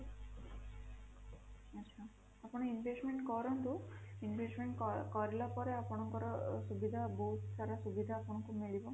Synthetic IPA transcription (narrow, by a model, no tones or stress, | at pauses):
atːʃʰa | apɔɽ̃ɔinbʱesʈmeɳʈkɔɾɔnt̪uinbʱesʈmeɳʈkkɔɾilapɔɾeapɔɽ̃ɔŋkɔɾɔsubid̪ʱaboɦut̪sʰaɾasubid̪ʱaːpɔɽ̃ɔŋkumiɭibɔ